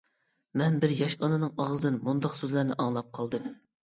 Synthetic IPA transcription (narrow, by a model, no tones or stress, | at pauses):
mɛnbɪɾjɑʃɑnɨnɨŋɑʁzd̪ɨnmund̪ɑqsøzlæɾnɪʔɑŋlˠɑp̚qʰɑlˠd̪ɨm